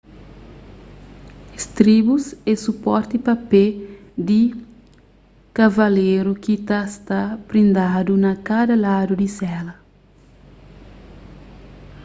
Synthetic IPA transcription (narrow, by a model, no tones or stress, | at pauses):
est̪ɾibusɛsupɔɾt̪ipɐped̪i | kavɐleɾukit̪ast̪apɾĩnd̪ad̪unɐkad̪ɐlad̪ud̪isɛlɐ